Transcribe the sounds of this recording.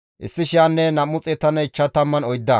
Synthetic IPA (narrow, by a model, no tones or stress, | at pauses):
ʔɪ̰sːɪʃɪjaːnːɛnɐmːʊt͡sʼɛt̪ːɐnɐɪt͡ʃːɐt̪ɐmːɐnɔjd̪ːɐ